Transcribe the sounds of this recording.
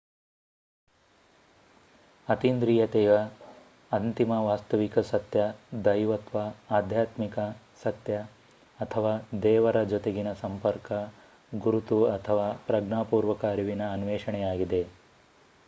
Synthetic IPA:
ɐt̪ind̪ɾiːjɐt̪ɛːʋɐ | ɐnt̪imɐʋaːst̪ɐʋikɐsɐt̪jɐd̪ɐjʋɐt̪ʋɐaːd̪ʱjaːt̪mikɐ | sɐt̪jɐː | t̪ʰɐʋaːd̪ɛːʋɐɾɐd͡ʒot̪eɡinɐsɐmpɐɾkɐ | ɡuɾut̪uɐt̪ʰɐʋaːpɾɐɡɳaːpuːɾʋɐkaːɾiʋinɐːnuʋeːʂɐɳɛjaːɡid̪e

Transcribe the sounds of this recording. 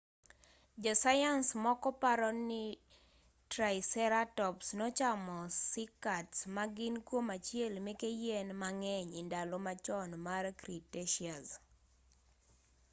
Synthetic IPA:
d͡ʒɔsajansmɔkɔpaɾɔnɪ | tɾaɪsɛɾatɔpsnɔt͡ʃamɔsɪkatsmaɡɪnkwomat͡ʃjelmekejenmaŋɛɲɪndalomat͡ʃɔnmarkɾiteʃiaz

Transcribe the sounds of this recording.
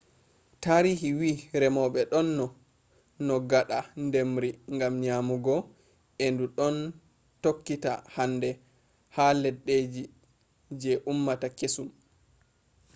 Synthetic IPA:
taɾiɦiwiːɾɛmɔɓɛɗɔnːɔ | nɔɡaɗandemɾiŋɡamɲaːmuɡɔ | enduɗɔn | tokːita̰handɛ | halɛɗːed͡ʒi | d͡ʒɛʔumːatakesum

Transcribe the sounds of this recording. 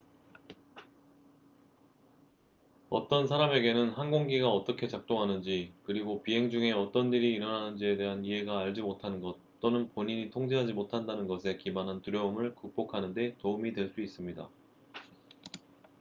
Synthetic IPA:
ʌt͈ʌns̬ʰaɾame̞ɡe̞nɯnhanɡoŋɡiɡaʌt͈ʌkʰe̞t͡ɕak̚t͈oŋɦanɯnd͡ʑikɯɾiɡopiɦe̞ŋd͡ʑuŋe̞ʌt͈ʌnːiɾiːɾʌnɦanɯnd͡ʑie̞de̞ɦaniɦe̞ɡaːɭd͡ʑimotʰanɯnɡʌt̚t͈onɯnpoɲiɲitʰoŋd͡ʑeɦad͡ʑimotʰandanɯnɡʌsʰe̞kibanɦantuɾjʌɯmɯɭkuk̚p͈okʰanɯnde̞toumidwe̞ɭs͈uis͈ɯmɲida̰

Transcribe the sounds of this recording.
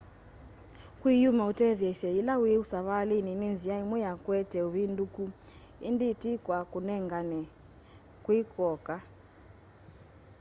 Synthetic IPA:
kʼwijumautʼevɛʃɛjilawujiusaβalininind͡zijaimujakʼwɛd̥ʱɛuβindʼukʼuḭnditʼikʼwakʼunɛŋɡanɛ | kʼwikʼɔːkʼa

